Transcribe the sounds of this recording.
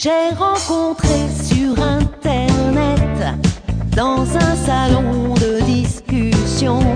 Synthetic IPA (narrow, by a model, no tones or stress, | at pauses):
ʒeʁɑ̃kɔ̃t̪χesyʁɛ̃t̪ɛʁnɛt̪ | d̪ɑ̃zɛ̃salɔ̃d̪əd̪iskʲysjɔ̃